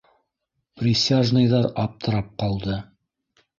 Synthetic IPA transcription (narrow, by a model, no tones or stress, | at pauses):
prʲisʲaʒnɤ̆jðɑɾɑp̚t̪ʰɤ̆ɾɑp̚qɑlˠd̪ɤ